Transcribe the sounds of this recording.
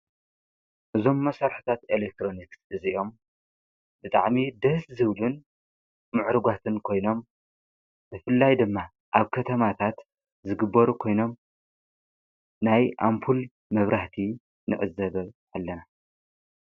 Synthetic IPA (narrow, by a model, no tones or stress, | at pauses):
ʔɨzo̞mːɐsaɾħu̥t̪ʰat̪elek̚t̪ʰɾo̞niksɨziʔo̞m | bɨt̪ʼa̰ʕmid̪ɐszɨβlun | mɨʕɾɨɡat̪ʰɨnkʰojno̞m | b̥ɨfɨlːajd̪ɨmːa | ʔaβkʰɐt̪ʰɐmat̪ʰat̪ | zɨɡɨbːɐɾukʰo̞jno̞m | najʔampʰul | mɐβɾʔaħt̪ʰi | nɨ̰ʔʼɨ̰zɐβɐ | alːɐna